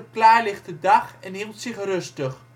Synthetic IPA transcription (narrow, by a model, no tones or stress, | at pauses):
əklaːlɪχtədɑχɛnɦilˠtsɪχrøstəχ